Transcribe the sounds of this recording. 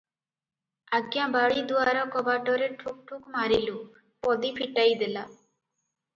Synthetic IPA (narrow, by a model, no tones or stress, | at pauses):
aɡjãbaɽid̪uaɾɔkɔbaʈɔɾeʈʰuk̚ʈʰukmaɾilu | pɔd̪ipʰiʈajd̪ela